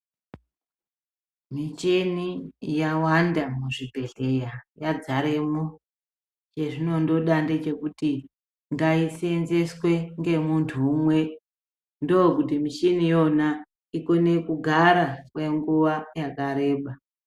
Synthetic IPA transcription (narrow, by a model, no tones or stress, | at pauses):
mit͡ʃe̞nijawandamuʐibʱe̞ɮe̞jajad͡zaɾe̞mo | t͡ʃe̞ʐino̞ndo̞ɗande̞t͡ʃe̞kuti | ŋɡaisenze̞swe̞ŋɡe̞muntʰumwe̞ | ndo̞k̬utimiʃinijo̞na | iko̞ne̞kuɡʱaɾakwe̞ŋɡuʋajakaɾe̞ːɓa